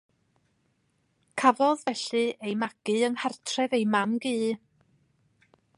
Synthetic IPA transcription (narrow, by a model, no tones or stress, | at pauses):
kʰavɔðvɛɬɨejmaɡ̥ɨəŋhartʰrɛvejmamɡiː